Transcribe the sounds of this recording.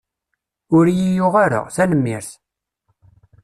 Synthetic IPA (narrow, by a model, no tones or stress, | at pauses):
ʊɾjijʊʁaɾə̰ʁθænəmːiɾθ